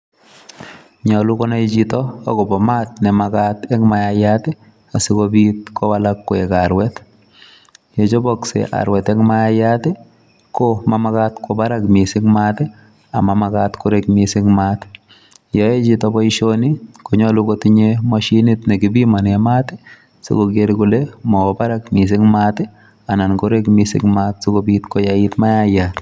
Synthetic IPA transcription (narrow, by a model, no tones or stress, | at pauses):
ɲɔlʊkɔnaid͡ʒitɔ̰ːkɔbɔmat̪̚nɛmakatɛŋmajajatɛ | asikobit̪̚kɔwalakːʊɛkaɾwɛt | jed͡ʒɔbɔksḛʔa̰ɾwɛtɛŋmajajatɛ | kɔmamakatkʰɔbaɾakmɪsɪŋmatɛ | amamakatkʊɾekmɪsɪŋmat | jɔet͡ʃitɔbɔiʃonikoɲɔlʊkotiɲemɔʃinitnekɪbimanamatɪ | so̰koɡeɾkʊlemɔbaɾakmis̬ɪŋmate | anankoɾekmisɪ̰ŋmatsokobitkojaɪtmajajat